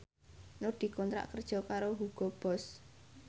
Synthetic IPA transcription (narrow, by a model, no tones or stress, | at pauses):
noɖ̥i̤kɔnt̪ɾa̰ʔkərd̥ʒ̥ɔ̤kaɾoɦuɡ̥ɔb̥ɔs